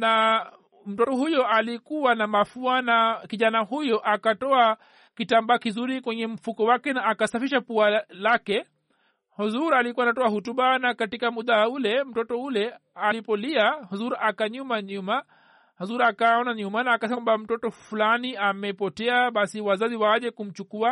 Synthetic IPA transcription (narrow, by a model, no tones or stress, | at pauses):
na | m̩tɔtɔhujɔʔalikuwanamafuanakiʄanahujɔʔakatɔa | kitambaːkizuɾikwɛɲɛm̩fukɔwakɛnaːkasafiʃapualakɛ | hɔzuɾalikuwanatɔahutuɓanakatikamuɗaulɛm̩tɔtɔulɛalipɔliahɔzuɾakaɲumaɲuma | hɔzuɾakaɔnaɲumanaːkasɛmbam̩tɔtɔfulaniamɛpɔtɛaɓasiwazaziwawaʄɛkum̩t͡ʃukua